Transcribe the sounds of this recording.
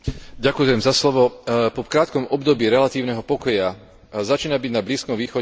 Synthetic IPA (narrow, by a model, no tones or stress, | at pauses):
ɟakujɛmzaslɔʋɔpɔkɾaːt̪kɔmɔbd̪ɔbiːɾɛlat̪iːʊnɛɦɔpɔkɔja | zat͡ʃiːnabiɟnabliːskɔmʋiːxɔ